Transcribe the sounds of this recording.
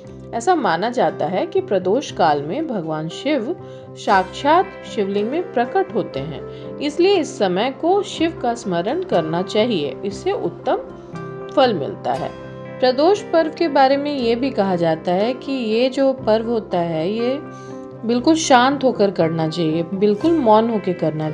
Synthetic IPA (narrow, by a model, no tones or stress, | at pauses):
ɛːsamaːnad͡ʒaːt̪aɦɛkipɾɐd̪oːʃkaːlmẽbʱɐɡʋaːnʃɪʋ | ʃaːkʃaːt̪ | ʃɪʋlɪ̃ŋɡmẽpɾɐkəʈɦoːt̪eɦɛ̰̃ː | ɪslieɪsːɐməjkoʃɪʋkasməɾənkɐɾnat͡ʃaːɦiḛɪsːeʔʊ̰t̪ːəm | fɐlmɪ̰lt̪a̰ɦɛ̰ː | pɾɐd̪oːʃpɐɾʋkebaːɾemẽjebʱikɐɦad͡ʒaːt̪aɦɛkijed͡ʒoːpɐɾʋɦoːt̪aɦɛje | bɪlkʊlʃãːnt̪ɦoːkəɾkɐɾnat͡ʃaːɦiebɪlkʊlmɔːnɦoːkekɐɾna